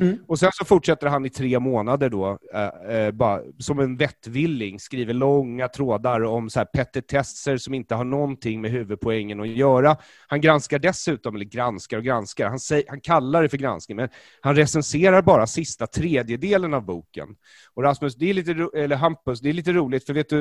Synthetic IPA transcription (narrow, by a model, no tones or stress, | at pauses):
ɔsɛnsɔfʊʈʂɛt̪ːəɾɦanɪt̪ʰɾeːmoːnad̪əɖɔ | bɑːɾa̰sɔmɛnvɛt̪ːvɪlːɪŋskɾiːvəɭɔŋːat̪ʰɾoːd̪aɾɔmsɔhæːɾpʰɛt̪ːəʈʰɛsəɾsɔmɪnt̪əɦaɳɔnt̪ʰɪŋːmɛɦʉ̟ːvɵd̪̚pʰɔɛŋːənɔjœːɾa | hanɡɾanskaɖɛsʉ̟ːt̪ɔmɛlːəɾɡɾanskaɾɔɡɾanskaɾhansɛjhankʰalːaɖɛfœɾɡɾa̰nsknɪŋmɛn | hanɾɛsɛnseːɾaɾbɑːɾasɪst̪at̪ʰɾeːd̪jəd̪eːlənavbuːkə̰n | ɔɾasmɵsd̪ɛæɾɭiːt̪əɾuɛlːəɦampːɵsd̪ɛliːt̪əɾuːlɪt̪fœɾveːt̪d̪ɵ